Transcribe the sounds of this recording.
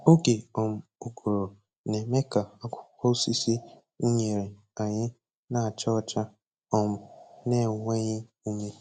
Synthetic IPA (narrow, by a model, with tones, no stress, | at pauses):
o˦ke˨ɔ˨m̩˨o˨ɡo˨ɾo˨ | ne˨me˦ka˨a˦kʷʊ̥˦kɔ˦si˦si˦ | u˦ɲe˨ɾe˨ | a˨ɲɪ˦ | na˨a˨t͡ʃɔ˦ɔ˦t͡ʃa˦ | ɔ˨m̩˦ne˦˨ŋʷe˦ɲɪ˦ | u˦me˦